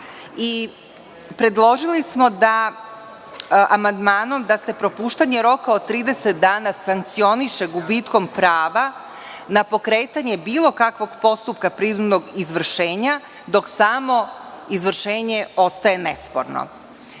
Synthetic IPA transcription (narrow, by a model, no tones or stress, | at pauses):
i | pɾe̞d̪lˠo̞ʒilismo̞d̪a | ʔamand̪maːno̞md̪ase̞pɾo̞puːʃt̪aɲe̞ɾo̞kaot̪ːɾiːd̪e̞set̪̚d̪aːnasaŋk̚t̪sio̞niʃe̞ɡubit̪ko̞mpɾaːʋa | napo̞kɾe̞ːt̪aɲe̞biːlˠo̞kakʋo̞ɡpo̞st̪up̚kapɾid̪umnoɡizʋr̩ʃeːɲa | d̪o̞ksamo̞ | izʋr̩ʃe̞ːɲe̞o̞st̪aje̞ne̞spo̰ɾno̰